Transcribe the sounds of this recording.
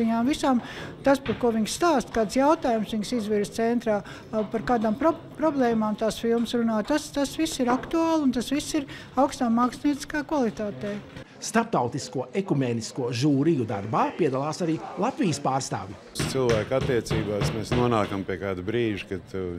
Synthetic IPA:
iɲaːmvisaːmt̪aspaɾkuɔʋiɲsst̪aːst̪kaːd̪sjawt̪aːjumsʋiɲsizʋiɾz̥t̪sɛnt̪ɾaː | paɾkaːd̪ampɾɔ | pɾɔblˠɛːmaːmt̪aːsfilˠmsɾunaːjt̪ast̪asʋisːiɾakt̪uaːlˠunt̪asʋisːiɾ | awkst̪aːmːaːksniɛt̪i̥skaːkvalˠit̪aːt̪ɛː | st̪aɾp̚t̪awt̪iskuɔʔekumeːniskuɔʒuːɾijud̪a̰ɾbaːpiɛd̪alˠaːsaɾiːlˠat̪vijəspaːɾst̪a̰ːvʲi | st̪silˠvæːkat̪ːiɛt̪siːbaːsmɛsnuɔnaːkampiɛkaːd̪bɾiːʒkad̪t̪u

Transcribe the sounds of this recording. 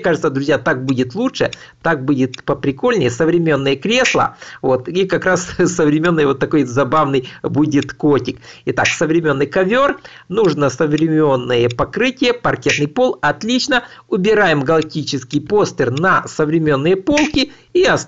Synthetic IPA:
kaʐɨt̪səd̪ɾʊzʲjat̪ak̚budʲɪt̪lˠuʂɨ | t̪ak̚budʲɪt̪pəpɾʲɪko̞lʲnʲɪjəsəvɾʲɪmʲe̞nːɨjəkɾʲe̞slˠə̰vo̞t̪ikɐkɾassəvɾʲɪmʲe̞nːɨjəvo̞t̪ːɐko̞jzɐbavnɨjbudʲɪt̪kotʲɪkɪt̪aksəvɾʲɪmʲe̞nːɨjkɐvʲo̞r | nuʐnəsəvɾʲɪmʲe̞nːɨjəpɐkɾɨtʲɪjəpɐrkʲet̪nɨjpo̞lˠɐt̪lʲit͡ɕnəʊbʲɪɾajɪmɡəlˠɐk̚tʲit͡ɕɪskʲɪjpo̞st̪ʲɪrnɐsəvɾʲɪmʲe̞nːɨjəpo̞lˠkʲɪ | iɐs

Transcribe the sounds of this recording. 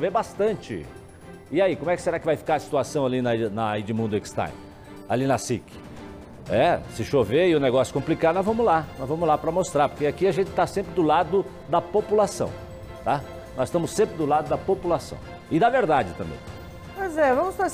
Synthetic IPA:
ʃovebast̪ɐ̃t͡ʃɪ̰ | ɪaikomʊɛkɪ̥seɾakɪvajfi̥kaɾɐsi̥t̪uasɐ̃w̃alinɐnɐid͡ʒɪmũd̪ʊekst̪a̰j | a̰linɐsikɪ̥ | ɛsɪʃoveɪʊneɡɔsjʊ̥kõplikad̪ʊnɔ̃zvɐ̃mʊzlanɔzvɐ̃mʊzlapɾɐmost̪ɾaɾpoɾkeakiaʒẽnt͡ʃɪ̥t̪asẽmpɾɪd̪ʊlad̪ʊ | d̪ɐpopulasɐ̰̃w̃ | t̪a | nɔzɪst̪ɐ̃mʊsːẽmpɾɪd̪ʊlad̪ʊd̪ɐpopulasɐ̰̃w̃ | ɪd̪ɐveɾd̪ad͡ʒɪt̪ɐ̃mbḛ̃j̃ | pojzɛvɐ̃mʊsfa

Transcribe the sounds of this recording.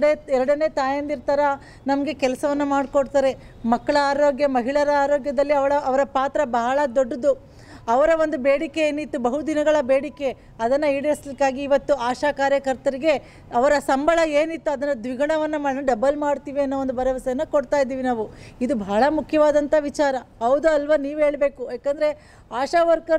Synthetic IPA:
eɛɾɐɽɐneːt̪aːjɐnd̪iɾt̪aːɾɐ | nɐmɐɡe̞kɛlɐsɐʋɐnːɐmaːɖkoɽt̪aːɾe̞ | mɐkːɐɭɐaːɾoːɡjɐmɐɦiɭɐɾɐaːɾoːɡjɐd̪ɐlːiɐʋɐɭɐːʋɐɾɐpaːt̪ɾɐbɐɦɐɭɐd̪oɖːɐd̪u | ɐʋɐɾɐʋond̪ubeːɽike̞eːnit̪ːubɐɦud̪inɐɡɐɭɐbeːɽike̞ | ɐd̪ɐnːɐiːɽɐslikːaːɡiːʋɐt̪ːuaːʃaːkaːɾjɐkɐɾt̪ɐɾiɡe̞ | ɐʋɐɾɐsɐmbʱɐɭɐeːnit̪ːuɐd̪ɐnːɐd̪ʋiɡɐɳɐʋɐnːɐmaːɽniɖɐbɐlmaːɽt̪iːʋiɐnːoʋond̪ubɐɾɐʋɐsɐjɐnːɐkoɽt̪aːjid̪iːʋinaːʋuid̪ubɐɐɭɐmukʰjɐʋaːd̪ɐnt̪ɐʋit͡ʃaːɾɐɦɐʋd̪uɐlʋɐniːʋuɦe̞ːɭbe̞ːkujaːkɐnd̪ɐɾe̞ | aːʃaːʋɐɾkɐ

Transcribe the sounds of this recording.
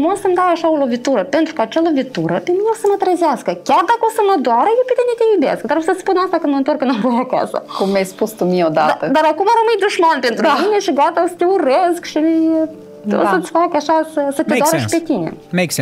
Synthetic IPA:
mosəmd̪aɾaʃaolo̞vit̪uɾəpe̞nt̪ɾukəat͡ʃalo̞vit̪uɾəpemineosəmət̪ɾəzeaskəkʲard̪akəo̞səməd̪oaɾəjewpet̪inet̪ʲejubʲa̰skd̪aɾosəspunast̪akɨnməɨnt̪o̞rkːɨnampoɾaka̰sə̰kumːʲajspust̪umiod̪at̪əd̪aɾakumaɾəmɨij̚d̪uʒmanpe̞nt̪ɾumineʃiɡat̪aosə̥t̪ʲeureskʃimie | o̰sət̪sʲfakaʃasəsət̪ʲed̪oaɾəʃipet̪inḛmeks

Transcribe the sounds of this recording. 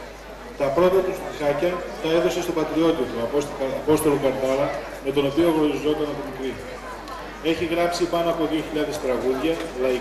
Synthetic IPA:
t̪ɐpɾo̞t̪ɐt̪ost̪isɐcɐt̪ɐe̞ðo̞se̞st̪o̞pɐt̪ɾio̞t̪it̪uɐpo̞st̪o̞lo̞kɐɾt̪ɐlɐ | me̞t̪o̞no̞pio̞ɣɾoɾizo̞t̪ɐnɐpomikɾi | e̞çiɣɾɐpsipɐno̞ɐpo̞ðio̞çiʎɐðe̞st̪ɾɐɣuðʝɐlɐ

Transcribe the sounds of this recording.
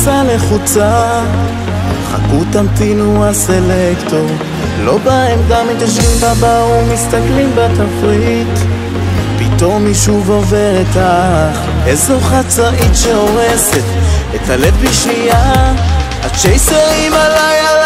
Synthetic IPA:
saleχut͡sa | χa̰kut̪amtinuaselekt̪o̞ʁ | lo̞baemɡamːit̪aʃ̬vimbabaumist̪aklimbat̪afʁit̪ | pit̪o̞mːiʃuvo̞veʁet̪aχ | esoχat͡saʔitʃeo̞ʁesetethalevbiʃija | at͡ʃejseʁimalaja

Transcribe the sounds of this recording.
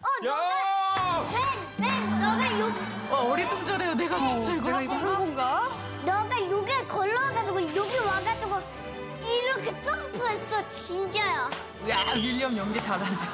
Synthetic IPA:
ʌnʌɡajwen | enːʌɡajoɡ | aʌɾit͈oŋd͡ʑʌɾe̞joneɡat͡ɕit͡ɕ͈aiɡeɡaiɡʌɦaŋɡoŋɡa | nʌɡajoɡekʌɭːʌaɡadaɡojoɡewaɡataɡo | iɾʌkʰet͡s͈ʰɯmpʰues͈ʌt͡ɕint͡ɕajo | wawiʎːʌmjʌŋɡet͡ɕadanda

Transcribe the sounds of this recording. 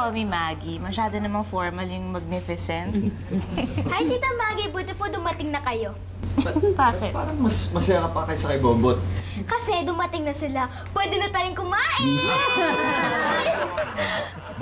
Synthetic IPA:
omimaːɡimɐʃaːd̪onɐmɐnfoɹmɐljʊŋmɐɡ̚nɪfɪsɛnt̪̚ | ʔɐjt̪iːt̪ɐmaːɡibʊt̪ɪpod̪ʊmɐt̪ɪŋnɐkɐjo̞ | ɐbaːkɪtpaːɾɐŋmɐsmɐsɐjakɐpɐɐkɐjsɐkɐjboːbot̪̚kɐsɛd̪ʊmɐt̪ɪŋnɐsɪla | pwɛd̪ɪnɐt̪ɐɾɪŋkʊmaʔɪ

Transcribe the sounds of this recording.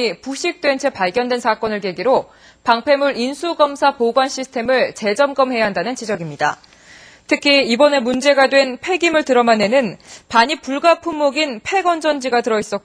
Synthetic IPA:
ipuɕʰik̚t͈we̞nt͡ɕʰe̞paɭɡjʌndwe̞nsʰak͈ʌnɯɭke̞ɡiɾo | paŋpʰe̞muɾinsʰuɡʌmsʰapoɡwanɕʰisʰɯ̥tʰe̞mɯɭt͡ɕe̞d͡ʑʌmɡʌmɦe̞jaɦandanɯnt͡ɕid͡ʑʌɡimɲida̰ | tʰɯkʰiːbʌne̞mund͡ʑe̞ɡadwe̞npʰe̞ɡimɯɭtɯɾʌmane̞nɯnpaɲipuɭɡapʰumːoɡinpʰe̞ɡʌnd͡ʑʌnd͡ʑiɡatɯɾʌis͈ʌt̚k͈

